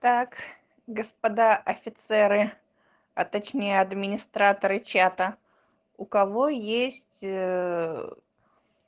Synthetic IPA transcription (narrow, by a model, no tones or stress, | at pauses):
t̪ak | ɡəspɐd̪aʔɐfʲɪt̪sɛɾɨ | ɐt̪ɐt͡ɕnʲejəɐd̪mʲɪnʲɪst̪ɾat̪əɾɨt͡ɕat̪ə | ʊkɐvo̞jesʲtʲ